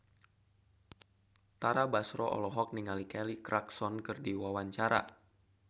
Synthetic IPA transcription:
t̪aɾabasɾɔʔɔ̰lɔɦɔk̚niŋalikɛlikɾʔaksɔnkɨrdiwawaɲt͡ʃaɾa̰

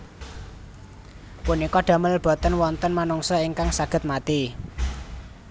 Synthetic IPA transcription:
punikɔɖ̥a̤mələb̥ɔ̤t̪ənwɔnt̪ənmanuŋsɔiŋkaŋsaɡ̥ə̤t̪̚mat̪i

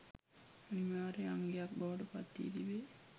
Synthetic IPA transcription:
animaːɾeaŋɡejak̚baʋəʈəpat̪ːḭd̪iʋe

